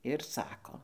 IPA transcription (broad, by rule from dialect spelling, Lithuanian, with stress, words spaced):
ɪr ˈsɑːkoː